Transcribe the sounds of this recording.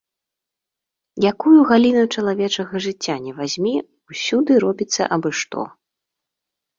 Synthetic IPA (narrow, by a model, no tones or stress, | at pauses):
jakujuɣalʲinut͡ʂɐlˠavʲɛt͡ʂɐɣɐʐɨt͡sʲːanʲɛvazʲmʲi | usʲud̪ɨɾɔbʲit̪sːɐ̰ʔɐbɨʂt̪ɔ̰